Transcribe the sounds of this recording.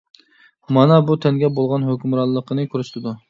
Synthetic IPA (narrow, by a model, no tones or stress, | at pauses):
mɑnɛbut̪ʰɛnɡʲɛbolˠʁɑnɦøkʲymɾɑlˠːəqʰənɨkʲʰyɾyʃt̪ʰɪd̪u